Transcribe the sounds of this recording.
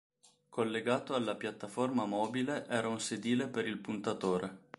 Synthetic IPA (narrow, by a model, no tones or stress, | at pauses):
kʰolːeɡaːt̪oalːapjat̪ːaformamɔːbileʔɛːɾaunsed̪iːlepeɾilpunt̪at̪oːɾe